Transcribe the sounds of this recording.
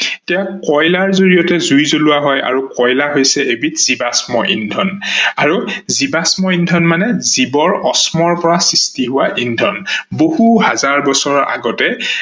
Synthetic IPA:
tijakɔjlaɹzoɹijɔtɛzujzolʊaɦɔja̰ɹukɔjlaɦojsɛebitz̥ibasmɔʔḭndʱɔnaɹuzibasmɔindʱɔnmanɛzibɔɹɔsmɔɹpɔɹasistiɦʊwaʔindʱɔnboɦhuɦazaɹbɔsɔɹɔʔa̰ɡɔtɛ

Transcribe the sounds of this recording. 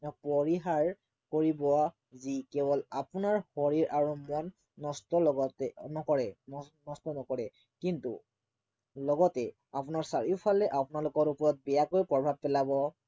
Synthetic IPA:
pɔɹiɦaɹ | koɹibɔa | zikɛbɔlapʊnaɹhɔɹiɹʔaɹumɔnː | ɔstɔɔɡɔtɛnɔkɔɹɛnɔstɔnɔkɔɹɛ | kintṵ | lɔɡɔtɛ | apʊnaɹsaɹipʰalɛʔapʊnalʊkɔɹupɔɹɔt̚bɛjakojpɹɔbʱab̚pɛlabɔ

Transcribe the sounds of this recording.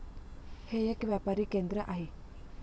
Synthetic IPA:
hejekʋjapaɾikend̪ɾəʔaɦi

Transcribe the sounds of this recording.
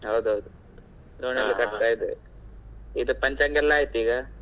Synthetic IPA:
ɦɐwd̪uɦɐwd̪u | ɾoːnɐlːikɐt̪aːjid̪ɯ | id̪upɐɲt͡ʃɐŋɡɛlːaːjit̪ːiːɡa

